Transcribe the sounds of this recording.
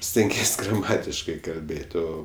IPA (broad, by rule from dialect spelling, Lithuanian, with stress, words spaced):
sʲtʲɛŋʲˈɡʲiɛsʲ ɡrɐˈmɑːtʲɪʃkɐɪ kɐlʲˈbʲeːtʲ ˈoː